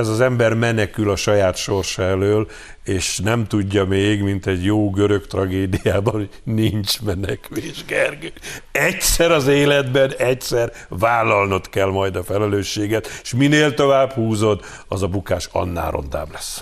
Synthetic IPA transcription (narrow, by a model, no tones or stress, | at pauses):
ɛzɒzɛmbɛrmɛnɛkylɒʃɒjaːt̪ʃo̞rʃɔɛløːl | eːʃnɛmt̪uɟːɒmeːɡmint̪ɛɟjoːɡøɾø̞kt̪rɒɡeːd̪ijaːbɒno | nint͡ʃmɛnɛkyleːʒɡɛrɡøːɛcsɛɾɒzeːlɛd̪bɛnɛcsɛr | vaːlːɒlno̞t̪kɛlmɒjd̪ɒfɛlɛløːʃːeːɡɛt̪ʃmineːlt̪o̞vaːphuːzo̞d̪ | ɒzɒbukaːʃɒ̰nːa̰ːɾo̞̰nd̪a̰ːblɛs